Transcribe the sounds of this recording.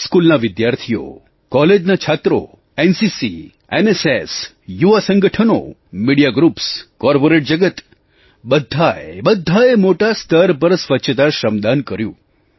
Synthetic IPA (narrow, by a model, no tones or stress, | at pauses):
skulnaʋɪd̪jaɾt̪ʰijo̰ | kɔled͡ʒnat͡ʃʰat̪ɾo̰ | ensisi | eneses | juʋasəŋɡəʈʰəno̰miɽijaɡɾupskɔɾpoɾeʈ̚d͡ʒəɡət̪ | bəd̪ʱːaebəd̪ʱːaemoʈast̪ʰəɾp̬əɾsʋətːʃʰət̪aʃəmd̪ankəɾjṵ̃